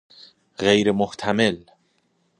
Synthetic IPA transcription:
ɣejɾemoht̪ʰæmel

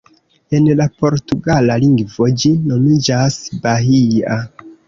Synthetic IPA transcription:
e̞nlapo̞ɾtuɡalaliŋɡvod͡ʒino̞mid͡ʒasbaɦia

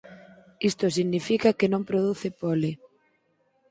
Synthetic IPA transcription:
ist̪osiɣnifikakenõmpɾoðuθɪpolɪ

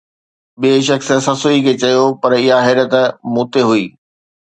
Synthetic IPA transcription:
ɓeːʃ̬ɐks̆sɐsoikʰet͡ɕɐjopɐɾɪɦaɦɐːɾət̪muːt̪eɦuiː

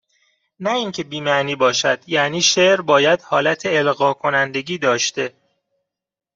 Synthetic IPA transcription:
næiːŋcʰe̞biːmæʔniːbɒːʃæd̪̥jæniːʃeʔɾbɒːjæd̪̥hɒːlæt̪ʰeːlɣɒːkʰo̞nænd̪e̞ɟiːd̪ɒːʃt̪e̞

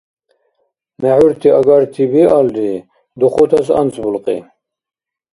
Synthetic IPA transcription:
mɛʕuɾt̪ʰiaɡaɾt̪ʰibiald̪i | d̪uχut̪ʰasa̰nt͡sʰʼbulqʼḭ

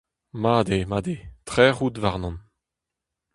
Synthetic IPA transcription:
maːd̪emaːd̪etʁɛːʁutvaʁnɔ̃n

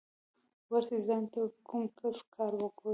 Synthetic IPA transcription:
waɾt̪izɑnt̪akumkaskʰɑɾwəkɽu

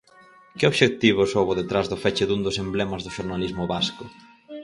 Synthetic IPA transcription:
kɪoβʃek̚t̪iβ̞ʊsowβʊðet̪ɾazðʊfɛt͡ʃɪðund̪ʊsemblɛmɐzðʊʃoɾnalizmʊβaskʊ

